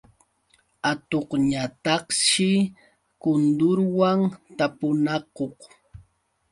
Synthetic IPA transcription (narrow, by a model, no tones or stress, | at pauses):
at̪oqɲat̪ɑχʃɪ | kʊnd̪ʊɾwaŋt̪apʊnɑqoχ